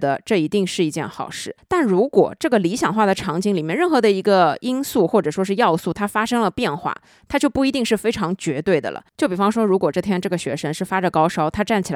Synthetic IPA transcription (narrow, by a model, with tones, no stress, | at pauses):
d̪ə˩ʈ͡ʂɤ˥˩i˧˥t̪i˥˧ŋʂɻ̩˥˩i˧˥t͡ɕjɛ̰˥˩nxɑ˨˩ʊʂɻ̩˥˩t̪a˥˩nɻu˧˥kwɔ̰˨˩ʈ͡ʂɤ˥˩ɡə˩li˧˥ɕjɑ˨˩ŋxwa˥˩d̪ə˩ʈ͡ʂʰɑ˧˥ŋt͡ɕi˥ŋli˨˩mjɛ˥˧nɻə˥˩nxɤ˧˥d̪ə˧i˧˥ɡə˧i˥nsu˥˧xwɔ˥˩ʈ͡ʂɤ˨˩ʂwɔ˥ʂɻ̩˥˧jɑ˥˧ʊsu˥˩t̪ʰa˥fa˥ʂɤ˥ŋlə˨pjɛ˥˧nxwa̰˥˩ | t̪ʰa˥t͡ɕjo˥˧ʊpu˥˩i˧˥t̪i˥˧ŋʂɻ̩˥˩fe˥ɪʈ͡ʂʰɑ˧˥ŋt͡ɕɥɛ˧˥t̪we˥˩ɪd̪ə̰˩lʔə̰˩t͡ɕjo˥˩ʊpi˨˩fɑ˥ŋʂwɔ˥ɻu˧˥kwɔ˨˩ʈ͡ʂɤ˥˩t̪ʰjɛ˥nʈ͡ʂɤ˥˩ɡə˩ɕɥɛ̰˧˥ʂə˧˥nʂɻ̩˥˩fa˥ʈ͡ʂə˨˩kɑ˥ʊʂɑ˥ʊt̪ʰa˥ʈ͡ʂa˥˩nt͡ɕʰi˨˩l